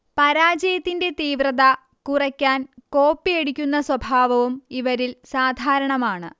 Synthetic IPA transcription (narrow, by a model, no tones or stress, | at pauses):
pɐɾaːd͡ʑɐjɐt̪ːinde̞t̪iːʋrɐðɐ | kurɐkʲːaːnko̞ːpːijeɽukʲːunːɐswɐbʱaːʋɐʋumiʋɐɾilsaːd̪ʱaːɾɐɳɐmaːɳɨ̰